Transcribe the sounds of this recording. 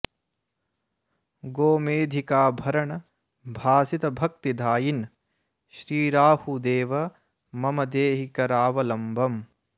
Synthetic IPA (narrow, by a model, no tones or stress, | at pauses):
ɡoːmeːd̪ʱikaːbʱɐɾɐɳɐ | bʱaːsit̪ɐbʱɐk̚t̪id̪ʱaːjin | ʃɾiːɾaːhud̪eːʋɐ | mɐmɐd̪eːɦikɐɾaːʋɐlɐmbʱɐm